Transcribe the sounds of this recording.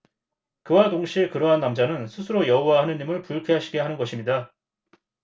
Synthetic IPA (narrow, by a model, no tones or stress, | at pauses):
kɯwadoŋɕʰiekɯɾʌɦanːamd͡ʑanɯnsʰusʰɯɾojʌuwaɦanɯɲimɯɭpuɭkʰeɦaɕʰiɡe̞ɦanɯnɡʌɕʰimɲida